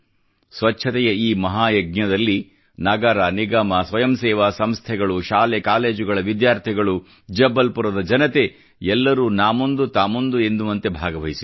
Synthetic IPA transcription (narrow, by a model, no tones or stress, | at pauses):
sʋɐt͡ʃːʃʰɐt̪ɛjɐiːmɐɦaːjɐɡɲɐd̪ɐlːi | nɐɡɐɾaniɡaːmɐsʋɐjɐmsɛːʋaːsɐmst̪ʰɛɡɐɭuʃaːlekaːle̞ːd͡ʒuɡɐɭɐʋid̪jaːɾt̪ʰiɡɐɭu | d͡ʒɛbːɐlpuɾɐd̪ɐd͡ʒɐnɐt̪e̞ | ɛlːɐɾuːnaːmond̪ut̪aːmond̪ue̞nd̪umɐnt̪ebʱaːɡɐʋɐɦisi